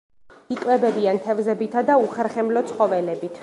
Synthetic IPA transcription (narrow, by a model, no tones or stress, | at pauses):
ikʼwɛbɛbiant̪ʰɛvzɛbit̪ʰad̪auχɛɾχɛmlɔt̪sʰχɔvɛlɛbit̪ʰ